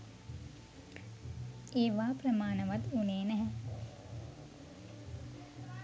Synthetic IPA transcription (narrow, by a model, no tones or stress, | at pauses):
eːʋaːprəmaːnəʋat̪uneːnæɦɛ